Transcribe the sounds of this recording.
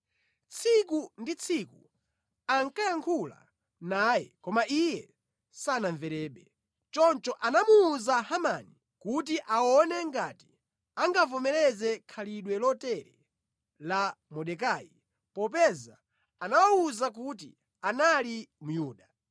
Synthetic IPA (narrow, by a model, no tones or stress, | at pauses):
t͡sʰikundit͡sʰiku | aŋkajaŋkʰula̰ | naːjɛ̰kɔmaʔijɛ | sanaɱvɛɾɛːɓɛ | t͡ʃɔnt͡ʃɔʔanamuːzahamani | kut̬iʔawɔnɛŋɡaːti̥ | aŋɡavɔmɛlɛzɛkʰaliɗwɛlɔtɛɾɛ | lamɔɗɛkaːji | pɔp̬ɛza | anawauzak̬ut̬ḭ | analimujuːɗa